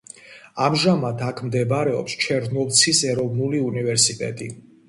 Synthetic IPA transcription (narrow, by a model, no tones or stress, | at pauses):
amʒamad̪ʰakʰmd̪ɛbaɾɛɔ̰pst͡ʃʰɛɾnɔlt̪sʰisɛɾɔvnuliunivɛɾsit̪ʼɛ̰t̪ʼi